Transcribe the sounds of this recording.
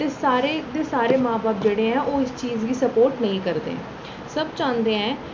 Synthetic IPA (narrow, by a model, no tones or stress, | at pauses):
t̪esaːɾed̪eːsaːɾeːmãːbaːp̚d͡ʒeːɽeːɛ̃ːʔoːɪst͡ʃiːzɡiːsəpoːɾʈnəɦĩːkəɾd̪ḛː | səbt͡ʃãːnd̪eːɛ̃ː